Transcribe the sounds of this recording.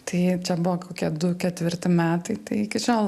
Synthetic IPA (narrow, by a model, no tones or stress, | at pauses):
t̪ɐɪt͡ʃʲɛbʊʋoːkoːkʲiɛd̪ʊkʲɛt̪ʲʋʲɪrʲt̪ʲɪmʲæːt̪ɐɪt̪ɐɪɪkʲɪʃʲoːlˠ